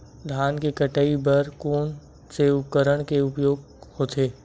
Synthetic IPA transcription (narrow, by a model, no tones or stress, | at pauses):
d̪ʱaːnkekəʈaibɐɾkoːn | seʊkəɾəɽ̃keʊpjoːɡ | hoːt̪ʰeː